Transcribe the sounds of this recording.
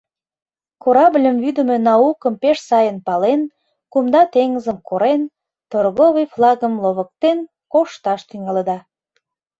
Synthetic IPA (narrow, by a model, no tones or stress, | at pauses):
koɾɑblʲəmvyd̪əmenɑukəmpeʃsɑjənpɑlen | kumd̪ɑt̪eŋəzəmkoɾen | t̪orɣoβijflˠɑɣəmloβək̚t̪en | koʃt̪ɑʃt̪yŋɑləd̪ɑ